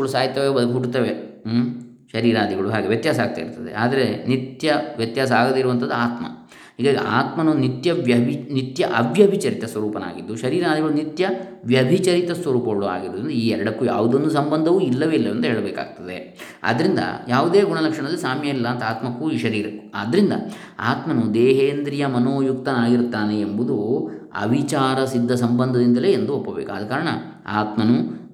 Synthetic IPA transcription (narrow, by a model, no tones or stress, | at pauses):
ɭusaːjit̪ːɐʋebɐd̪kɦuɽt̪ɐʋe | ʃɐɾiːɾaːd̪ʱiɡɐɭuɦaːɡeʋjɐt̪jaːsaːɡ̚t̪a̰ːḭɾt̪ɐd̪e̞̰ʔaːd̪ɐɾenit̪jɐʋjɐt̪jaːs̬ɐaːɡɐd̪eiɾuʋɐnt̪ʰɐd̪ːuaːt̪mɐ̰ | ɦiːɡaːɡiʔa̰ːt̪mɐnɐnit̪jɐjbnit̪jɐʔɐʋjɐbʱit͡ʃɐɾit̪ɐsʋɐɾuːpɐna̰ːɡid̪ːuʃɐɾiːɾaːd̪ʱiɡɐɭunit̪jɐʋjɐbʱit͡ʃɐɾit̪ɐsʋɐɾuːpɐɡɐɭua̰ːɡiɾuːd̪ɾind̪ɐiːɛɾɐɽɐkːuja̰ːʋud̪onːusɐmbɐnd̪ʱɐʋuːilːɐʋeilːɐʋɐnd̪ɐɦeːɭɐbeːka̰ːɡ̚t̪ɐd̪e̞̰ | a̰d̪ɐɾind̪ɐ̰jaːʋud̪eːɡuɳɐlɐkʂɐɳɐd̪ɐlːisaːmjɐilːɐːnt̪ɐaːt̪mɐkːuiːʃɐɾiːɾɐkːu̥a̰ːd̪ɐɾind̪ɐ̰ | a̰ːt̪mɐnud̪eːɦeːnd̪ɾijɐmɐnoːjuk̚t̪ɐnaːɡiɾt̪ːaːneːmbud̪uɐ̰bʱit͡ʃaːɾɐsid̪ʱːɐsɐmbɐnd̪ʱɐd̪ind̪ɐleːend̪uopːɐbḛːkua̰ːd̪ɐkaːɾɐɳɐ̰ | a̰ːt̪mɐnu